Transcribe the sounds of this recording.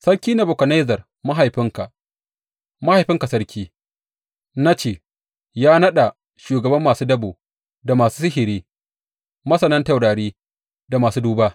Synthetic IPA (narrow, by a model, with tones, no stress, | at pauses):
sɐ˦ɾkʲiː˦na˨bʊ˨kʷɐ˨na˦jzɐ˨r | ma˦ɦa˨jɸɪ˦ŋka˨ | ma˦ha˨jɸɪ˦ŋka˨sɐ˦ɽkʲʰiː˦ | na˦t͡ʃeː˨ | jaː˦nɐ˦ɗa˨ | ʃuː˨ɡɐ˨bɐ˦mːaː˨suː˦dɐ˦buː˨ | da˨maː˨suː˦sɪ˦ɦɪ˨ɾiː˦ | mɐ˦sɐ˨nɐ˦nta˨wɽaː˨ɽiː˦ | da˨maː˨suː˦duː˦ba˦